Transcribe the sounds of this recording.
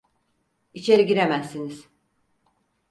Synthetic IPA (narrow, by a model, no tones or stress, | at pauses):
it͡ʃʰe̞ɾiɟiɾemæzːiniz̥